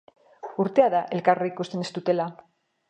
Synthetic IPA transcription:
uɾt̪eaðaʔelkareikust̪enest̪ut̪ela

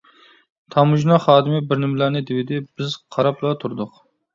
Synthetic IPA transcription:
t̪ʰɑmuʒnɑχɑːd̪ɨmɪbɪɾnɪmlæɾnɪd̪ɪwɪd̪ɪb̥ɪz̥qʰɑɾɑplˠɑt̪ʰuɾd̪ʊq

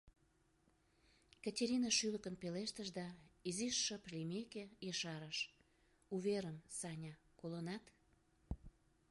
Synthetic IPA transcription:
kətʲeɾʲinɑʃyləkənpeleʃt̪əʃd̪ɑiziʃːəplʲimekejəʃɑɾəʃ | uβeɾəmsɑnʲɑkolənɑt̪

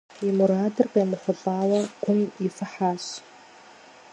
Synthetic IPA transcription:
imuɾaːdɨrqejmɨχʷʊɬʼaːwɐɡ̥ʷʊmifɨħaːɕ

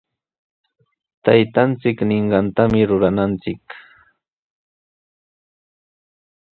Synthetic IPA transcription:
t̪ajt̪ant͡sɪknɪɴɢɑnt̪amɪɾʊɾanant͡sɪk

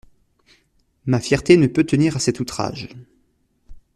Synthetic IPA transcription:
mafjɛʁt̪enəpøt̪əniʁasɛt̪ut̪χa̰ʒ

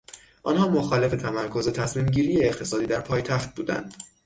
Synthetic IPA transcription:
ʔɒ̰nhɒːmoxɒːle̞fe̞t̪ʰæmæɾkʰo̞ze̞t̪ʰæsmiːmɟiːɾijeːχt̪ʰe̞sɒːd̪iːd̪æɾpʰɒːjt̪ʰæxt̪̚buːd̪æ̰nd̪̥

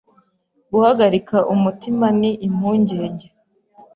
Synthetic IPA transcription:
ɡuhaɡaɾikaʔumutimaniʔːm̥huːɲɟe̞ːɲɟe

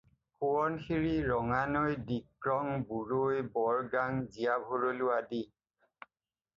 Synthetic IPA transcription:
kuɔnxiɹiɹɔŋanojdikɹɔŋbuɹojbɔɹɡaŋzijabʱoɹolʊadi

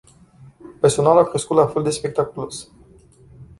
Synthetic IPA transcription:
perso̞naluakɾe̞skut̪lafe̞ld̪e̞spe̞k̚t̪akulo̞s

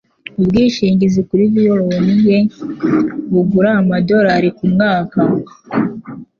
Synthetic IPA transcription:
ubɡiːʃiːɲɟizikuɾiβijoɾowonibje̞ | βuɡuɾaːmado̞ɾaɾikumŋaːka

